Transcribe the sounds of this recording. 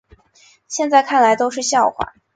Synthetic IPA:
ɕjɛ˥˧nt͡sa˥˧ɪkʰa˥˩nla˧˥ɪt̪o˥ʊʂɻ̩˥˧ɕjɑ˥˩ʊxwa̰˥˩˦

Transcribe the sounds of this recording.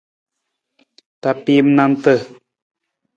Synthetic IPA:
t̪a˨pi˦mna˦˧nt̪ə˦˨

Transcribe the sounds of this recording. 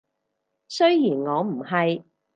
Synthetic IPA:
sɵ˥ɥjiː˨˩nŋɔː˨˧m̩˨˩hɐ˨j

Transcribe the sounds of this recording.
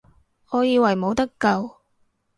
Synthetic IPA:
ɔː˨˧jiː˧wɐ˨˩jmo˨˧wt̪ɐ˥kːɐ˧w

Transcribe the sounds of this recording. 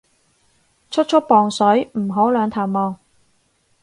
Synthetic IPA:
t͡ʃʰɵ˥t̚t͡ʃʰɵ˥t̚pɔː˨ŋsɵ˨˥ɥm̩˨˩ɦo˨˥wlœː˨˧ŋt̪ʰaː˨˩mmɔː˨˧ŋ

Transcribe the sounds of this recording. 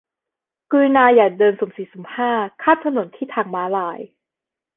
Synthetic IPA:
kɯː˧naː˧jaː˨˩k̚dɤː˧nsu˨˩˦msiː˨˩˦su˨˩˦mhaː˥˩kʰaː˥˩mt̪ʰa˧no˩˦nt̪ʰiː˥˩t̪ʰaː˨˩ŋmaː˨˦˥laː˧˦j

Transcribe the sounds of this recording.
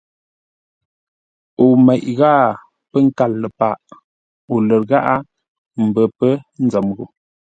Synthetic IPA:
o˨mɛ˨ʔɣaː˦˨ | pə˦ŋ̩˦ka˦˨lːə˨pa˨ʔ | o˨lə˨ɾɣa˦ʔa˦ | m̩˨bə˨pə˦n̩˦d͡zə˨mɣu˨

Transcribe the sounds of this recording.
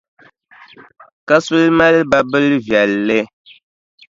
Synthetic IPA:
ka˦su˦lma˦lba˦bɨ˦lvjɛ˨lːɨ˦

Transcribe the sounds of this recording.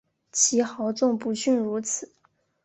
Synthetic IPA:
t͡ɕʰi˧˥xɑ˧˥ʊt͡sʊ˥˩ŋpu˧˥ɕy˥˩nɻu˧˥t͡sʰɹ̩˨˩˦

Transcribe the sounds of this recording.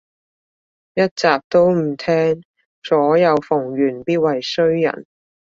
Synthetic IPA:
jɐ˥t̚t͡saː˨p̚t̪o˥wm̩˨˩t̪ʰɛː˥ŋ | sɔː˨˥jɐ˨˧wfʊ˨˩ŋɥyː˨˩npiː˥t̚wɐ˨jsɵ˥ɥjɐ̰˨˩n

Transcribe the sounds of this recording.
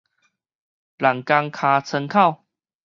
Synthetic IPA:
la˨˩ŋka˧ŋkʰã˧t͡sʰə˧ŋkʰa˥˨w

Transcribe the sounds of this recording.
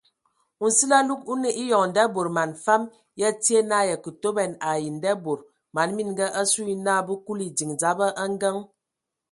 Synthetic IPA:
u˨n̩˨si˦la˦lu˦ku˦ne˨ʔi˦jɔ˨ŋ˨n̩˨dɛ˦bo˨ɾma˨nfa˦m | jɛ˦ti˦e˦na˦˨jɛ˨kə˨to˦bɛ˨na˨ji˨n˨dɛ˦bo˨ɾ | ma˨nmi˦nɡə˦ʔa˦su˦i˦naː˦˨bu˦ku˦li˨d͡zi˨ŋd͡za˨˦bə˦ʔa˦ŋ˦ɡə˦ŋ

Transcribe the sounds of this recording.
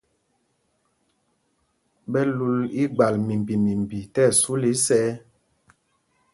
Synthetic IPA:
bɛ˦lu˦li˦ɡ͡ba˨lmi˨m˨bi˨mi˨m˨bi˨tɛ˦˨su˦li˦sɛː˦

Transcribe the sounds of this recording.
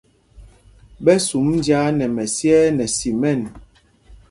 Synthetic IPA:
bɛ˦su˨˦mndja˦nɛ˨mɛ˨sjɛ˦nɛ˨si˨mɛ˦˨n

